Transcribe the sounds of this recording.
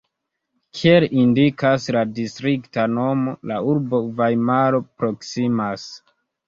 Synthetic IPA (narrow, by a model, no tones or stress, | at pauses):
kʰielindikasladistɾiktano̞mo̞lauɾbo̞vajmaɾo̞pɾo̞ksimas